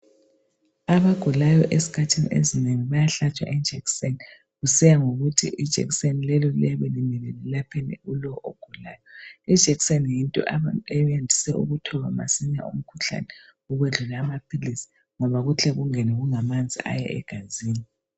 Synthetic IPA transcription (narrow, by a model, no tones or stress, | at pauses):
aβaɡ̥ʱulajɔʔesi̥kʰatʰinḭḛzineŋiβajaɬat͡ʃʼwa̰ʔid͡ʒ̥ʱɛkseni | ɣusɛjaŋoɣutʰiʔid̥ʒ̥ʱɛ̰ksenilɛlɔlḭaβelimɛlɛlilapʰenḭulɔʔo̰ɡ̥ʱula̰ːjɔid̥ʒ̥ʱɛksenjintʼɔ̰ʔejjendʱisɛṵɣutʰɔβama̰siɲa̰ṵm̩kʰuɬa̰nɛ | uɣweɮulaːmapʰilisi̥ | ŋɔβaɣut͡ɬʰɛɣuŋɛnɛɣuŋamand͡zʱḭʔa̰jɛ̰ɛ̰ɡ̥ʱaziːni